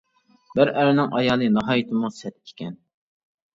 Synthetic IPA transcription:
bɪɾʔæɾɪnɪŋʔɑjɑːlˠɨnɑɦɑːjit̪ʰɪmusɛt̪ʰkʰʲi̥kʲʰɛn

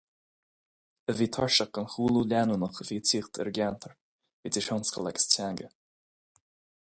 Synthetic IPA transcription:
əviːt̪ʰɔɹʃək̚ɡ̥ənxuːlˠulʲanunəxəviːtʰiːxt̪ʰɛ̰ɹɡant̪ʰəɹ | viːd̪ɪʃɔnskə̰lˠɛɡə̥stʰaŋɡə

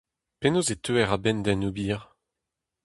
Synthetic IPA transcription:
penozet̪ʰøɛʁabɛnd̪ɛnubiʁ

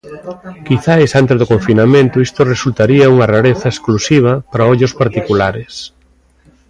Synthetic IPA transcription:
kiθajsant̪ezðokoɱfinamẽnt̪ʊist̪oresult̪aɾiɐuŋɐraɾeθɐesklusiβ̞ɐpɾaoʎʊspaɾt̪ikulaɾes

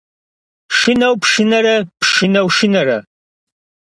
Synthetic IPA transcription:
ʂɨnɐwpʰʂɨnɐɾɐpʰʂʃɨnɐwʃɨnɐɾɐ̰

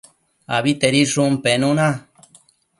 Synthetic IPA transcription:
aβit̪eɾiʂumpenũnã

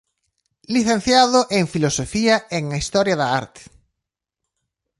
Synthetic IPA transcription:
liθẽn̟θjaðʊʔeŋfilosofiɐeŋɐist̪ɔɾjɐðɐa̰ɾt̪e̥

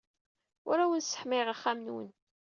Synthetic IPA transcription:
ʊ̰ɾæwənsə̥ħmɪʁaχːamnwə̰n

